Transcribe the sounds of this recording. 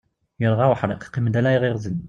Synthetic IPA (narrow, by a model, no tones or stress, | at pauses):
jəɾˤʁɑwħɾˤeqqiməd̪ælæjʁiɾzən